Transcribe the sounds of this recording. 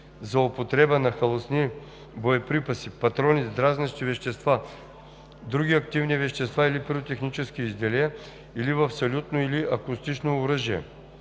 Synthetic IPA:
zɐopot̪ɾɛbənɐxɐlˠosni | bojɛpɾipɐsipɐt̪ɾɔnizd̪ɾaznɐʃt̪ivɛʃt̪ɛst̪va | d̪ɾuɡʲiɐkt̪ivnivɛʃt̪ɛst̪vailipɛɾot̪ɛxnit͡ʃɛskiːzd̪ɛlɛɛ | ilivɐfsɐlʲut̪noiliʔɐkʊst̪it͡ʃnoːɾəʒiɛ̰

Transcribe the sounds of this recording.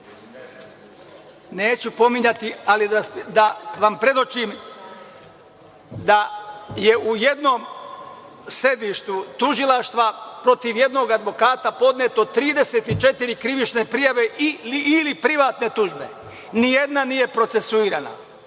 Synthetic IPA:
neːt͡ɕupo̞miɲat̪ialid̪ad̪aʋampɾe̞d̪o̞t͡ʃim | d̪aje̞ʔujed̪no̞ːm | sɾe̞d̪iʃt̪ut̪uʒilˠaʃt̪ʋapɾo̞t̪iʋje̞d̪no̞ɡad̪ʋo̞kaːt̪apo̞d̪net̪ot̪ːɾiːd̪eseːt̪it͡ʃet̪iɾikɾiʋit͡ʃne̞pɾijaʋe̞ʔiːlipɾiʋaːt̪ne̞t̪uʒbe̞̰ | nije̞d̪nanije̞pɾo̞t̪se̞suiːɾaːna̰

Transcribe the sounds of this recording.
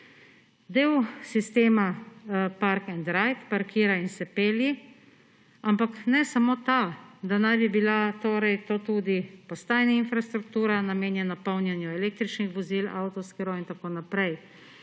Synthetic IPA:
d̪eːwsist̪eːmapaɾkɛnd̪ɾajt̪paɾkʰiːɾainsɛpeːlji | ampaknɛsamoːt̪ad̪anajbibilat̪oːɾɛjt̪oːt̪uːd̪ipɔst̪aːjnainfɾast̪ɾukt̪uːɾanameːnjɛnapawnjanjuɛleːk̚t̪ɾit͡ʃnixʋɔzila̰wt̪ɔskɛɾoint̪akoːnapɾɛj

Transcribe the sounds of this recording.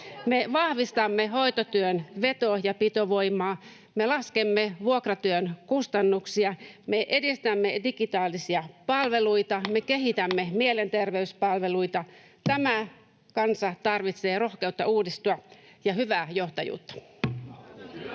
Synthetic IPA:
meʋɑhʋist̪ɑmːehoit̪ot̪yønʋet̪ojɑpit̪oʋoimɑː | melɑskemːeʋuokrɑt̪yønkust̪ɑnːuksiɑmeʔedist̪æmːedikit̪ɑːlːisiɑpɑlʋeluit̪ɑmekeɦit̪æmːemielent̪erʋeyspɑlʋeluit̪ɑ | t̪æmæ | kɑnsɑt̪ɑrʋit̪seːroxkeut̪ːɑ̰uːdist̪uɑjɑhyʋæːjoht̪ɑjṵːt̪ːɑ̥

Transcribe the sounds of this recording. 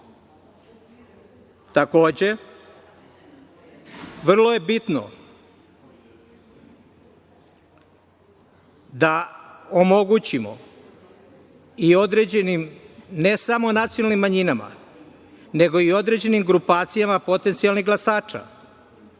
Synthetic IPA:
t̪ako̞ːd͡ʑe̞ | ʋr̩lˠo̞je̞bit̪no̰ | d̪aomo̞ɡut͡ɕimo̞̰ | io̞d̪ɾe̞d͡ʑenimne̞samonat̪sijonalnimːaɲinama̰ | ne̞ɡo̞io̞d̪ɾe̞d͡ʑe̞nimɡɾupaːt̪sijamapo̞t̪e̞nt̪sijalniɣɡlasaːt͡ʃa̰

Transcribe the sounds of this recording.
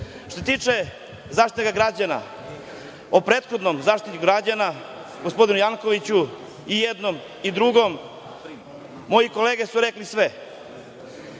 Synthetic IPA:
ʃt̪os̬et̪iːt͡ʃe | zaːʃt̪it̪eɡaɡɾad͡ʑana̰ | opɾeːt̪xod̪nomzaːʃt̪it̪iɡɾad͡ʑana | ɡospo̞d̪inujaŋkoʋit͡ɕu | ijed̪no̞m | id̪ɾuɡo̞m | o̞jiko̞leːɡesuɾeklisʋe

